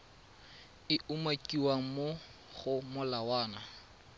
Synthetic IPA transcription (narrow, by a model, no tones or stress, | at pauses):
ɪʔumakʼiwaŋ̩mo | χʊmʊlawaːna